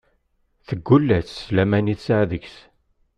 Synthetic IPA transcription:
θəɡːulːæθsːlæmæniθsaʕðəçs

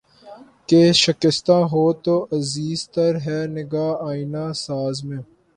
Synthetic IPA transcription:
keːʃəkɪst̪ãːɦoːt̪oːʔɐziːzt̪əɾɦɛːnɪɡaːaːinãːsaːzmẽː

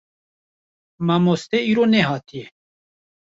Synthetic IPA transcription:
mamoːst̪eiːɾoneɦɑːt̪ʰije

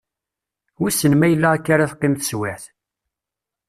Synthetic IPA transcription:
wisːənmæjəlːaækːaɾaθqːɪmθə̥swæħθ

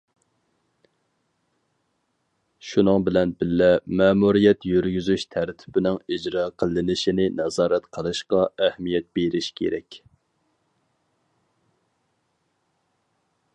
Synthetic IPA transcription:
ʃunɨŋbɪlɛnbɪlːɛmɛːmuɾijɛt̪jyɾɡʲyzyʃt̪ʰæɾt̪ʰɪ̥bɪnɪŋid͡ʒɾɑːqʰəlˠːɪnɪʃinɪnɛzɑːɾɛt̪qʰəlˠɨʃqɑɛhmijɛt̪̚beɾɪʃkʲʰḛɾɛ̰kʲ

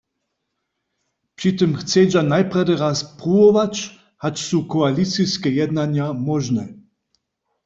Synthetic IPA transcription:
prit̪ɨmxt͡s̪ɛjd͡ʑanajprad̪ɛɾaspɾuɔvat͡ɕ | hat͡ʃsukɔalisijskɛjɛd̪naɲjamɔʒnɛ

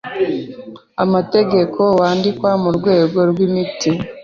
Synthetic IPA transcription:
amate̞ɡe̞kʰo̞waːndikwamuɾɡwe̞ːɡo̞ɾɡwimiti

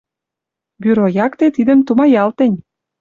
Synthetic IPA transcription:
byɾojɑkt̪et̪id̪əmt̪umɑjɑlt̪ə̆nʲ

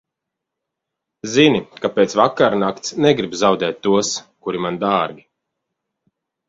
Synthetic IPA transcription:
zinikapeːt̪svakːaɾnakt̪snɛɡɾibzawd̪ɛːt̪ːuɔskuɾimand̪aːɾɡʲi

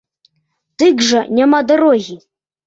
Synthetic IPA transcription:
t̪ɨkʐɐnʲamad̪ɔɾɔɣʲi

